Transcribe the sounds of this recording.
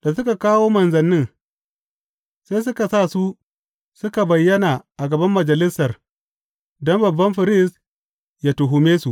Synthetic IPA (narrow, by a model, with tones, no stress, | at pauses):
d̥a˨sʊ˦ka˨kaː˦woː˦mɐ˨nzɐ˨nːɪ˦ŋ | sa˦js̬ʊ˦ka˨saː˦˨su˦ | sʊ˦ka˨bɐ˨jːɐ˦naː˨ʔa˨ɡɐ˨bɐ˦mːɐ˨d͡ʒɐ˨lɪ˦sːɐ˨r | dɔ˦mbɐ˨bːɐ˦mɸɪ˨ɾɪ˦s | ja˦tʊ˨ɦʊ˨meː˦su˨ʔ